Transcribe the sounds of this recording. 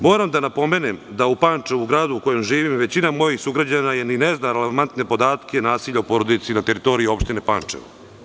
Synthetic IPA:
mo̞ːɾamd̪anapo̞me̞nemd̪aupaːnt͡ʂeuɡɾaːd̪uuko̞je̞mʒiːʋimʋe̞t͡ɕinamo̞jixsuɡɾad͡ʑanajenineznaɾeleʋant̪ne̞po̞d̪aːt̪kʰʲenaːsiʎaupo̞ːɾo̞d̪it̪sinat̪e̞ɾit̪o̞ɾiio̞pʃt̪ine̞pa̰ːnt͡ʂḛʋṵ

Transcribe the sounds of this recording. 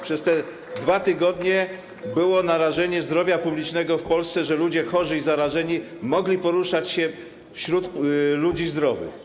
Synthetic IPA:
pʂɛst̪ɛ | d̪vat̪ɘɡɔd̪ɲɛ | bɘwɔnaɾaʐɛɲɛzd̪ɾɔvʲjapublʲit͡ʂnɛɡɔfpɔlst̪sɛʐɛlud͡ʑɛxɔʐɘizaɾaʐɛɲi | mɔɡlʲipɔɾuʂat͡ɕɕɛ | fɕɾut̪lud͡ʑizd̪ɾɔvɘ̰x

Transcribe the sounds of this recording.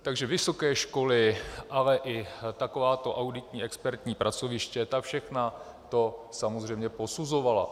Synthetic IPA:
t̪aɡʒɛvɪso̞kɛːʃko̞lɪʔalɛʔɪt̪ako̞vaːt̪o̞ʔawdɪt̪ɲiːɛkspɛɾt̪ɲiːpɾʔat͡so̞vɪʃcɛt̪afʃɛxna | t̪o̞samozr̝ɛjmɲɛpo̞suzo̞vala̰

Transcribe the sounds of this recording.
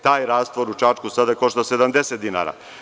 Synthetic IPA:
t̪aːjɾaːst̪ʋoɾut͡ʃat͡ʃkusad̪ajekoʃtlosed̪amd̪eset̪d̪ina̰ːɾa̰

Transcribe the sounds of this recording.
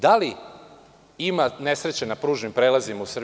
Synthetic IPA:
d̪ali | imane̞sɾet͡ɕenapɾuːʒnimpɾeːlazimausr

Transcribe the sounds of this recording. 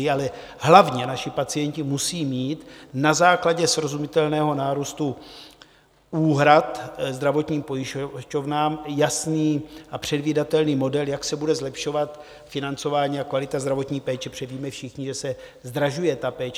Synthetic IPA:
ɪalɛ | ɦlavɲɛnaʃɪpat͡sɪjɛɲcɪmusiːmiːt̪nazaːklaɟɛsɾo̞zumɪt̪ɛlnɛːɦo̞naːɾust̪u | uːɦɾat̪zd̪ɾavo̞t̪ɲiːmpo̞jɪʃco̞vnaːmjasniːapr̝̥ɛdviːdat̪ɛlniːmo̞dɛljaksɛbudɛzlɛpʃo̞vat̪ | fɪnant͡so̞vaːɲiːakvalɪt̪azd̪ɾavo̞t̪ɲiːpɛːt͡ʃɛpr̝̥ɛviːmɛfʃɪxɲɪʒɛsɛ | zd̪ɾaʒujɛt̪apɛːt͡ʃ

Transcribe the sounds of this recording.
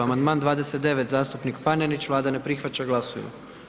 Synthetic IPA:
amand̪maːnd̪ʋaːd̪e̞set̪̚d̪e̞ʋet̪zaːst̪upnikpanenit͡ɕʋlˠaːd̪ane̞pɾixʋat͡ɕaɡlˠasoʋḭma̰

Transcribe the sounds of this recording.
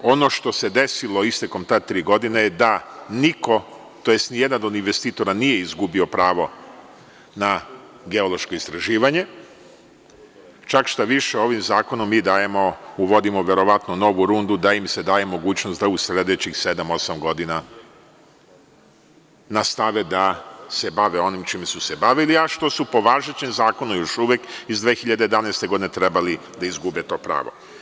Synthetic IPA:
o̞no̞ʃt̪o̞se̞d̪e̞silˠo̞ist̪eko̞mt̪at̪ɾiːɡo̞d̪inejed̪aniko̞ | t̪ojest̪nijed̪anod̪inʋest̪iːt̪o̞ɾanije̞izɡubio̞pɾaːʋo̞ | na | ɡe̞olˠo̞ʃkoist̪ɾaʒiːʋaɲe̞ | t͡ʃakʃt̪aʋiʃeo̞ʋimzaːko̞nomːiːd̪aːjemouʋo̞d̪imoʋe̞ɾo̞ʋat̪nono̞ʋuɾund̪ud̪aimse̞d̪aːje̞mo̞ɡuːt͡ɕnost̪d̪ausle̞d̪et͡ɕixse̞d̪amo̞samɡo̞d̪ina | nast̪aʋed̪asebaʋeo̞nimt͡ʃiːmsusebaʋiliaʃt̪o̞supo̞ʋaːʒet͡ɕemzaːko̞numjo̞ʃuʋjekizd̪ʋexiʎad̪ejed̪aneːst̪eɡd̪inet̪ɾe̞bali | d̪aizɡubet̪o̞ːpɾa̰ːʋo̞̰

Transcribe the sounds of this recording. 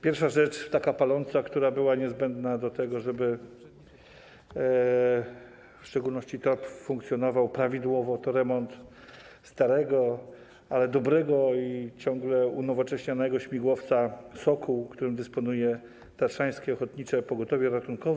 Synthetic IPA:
pʲjɛɾfʂaʐɛt͡ʂt̪akapalɔnt̪sakt̪uɾabɘwaɲɛzbɛnd̪nad̪ɔt̪ɛɡɔʐɛbɘ | fʂt͡ʂɛɡulnɔɕt͡ɕit̪ɾɔpfuŋkt̪sʲjɔnɔvawpɾavʲid̪wɔvɔt̪ɔɾɛmɔnt̪ | st̪aɾɛɡɔ | alɛd̪ɔbɾɛɡɔit͡ɕɔ̃ŋɡlɛunɔvɔt͡ʂɛɕɲanɛɡɔɕmʲiɡwɔft̪sasɔkuwkt̪uɾɘmd̪ɘspɔnujɛ | t̪aʂaj̃skʲɛɔxɔt̪ɲit͡ʂɛpɔɡɔt̪ɔvʲjɛɾat̪unkɔv

